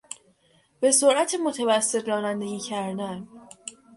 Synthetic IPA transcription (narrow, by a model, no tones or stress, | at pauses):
b̥e̞so̞ɾʔæt̪ʰemo̞t̪ʰævæsːet̪ʰɾɒːnænd̪e̞ɟiːcʰæɾd̪æn